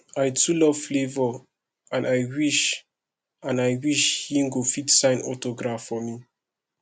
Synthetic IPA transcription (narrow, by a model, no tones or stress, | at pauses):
ajtʰulɔv̥flevɔ | ãnajwiʃ | ãnajwiʃhiŋɡofitsãɪ̃nɔ̰toɡɹafɔmi